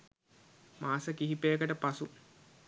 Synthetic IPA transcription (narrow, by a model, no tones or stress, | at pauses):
maːsəkiɦipejəkəʈəpasu